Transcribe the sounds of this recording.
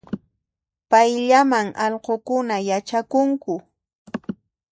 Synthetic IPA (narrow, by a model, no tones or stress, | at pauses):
pajʎamaŋɑʎqokʊnajat͡ʃakʊŋkʊ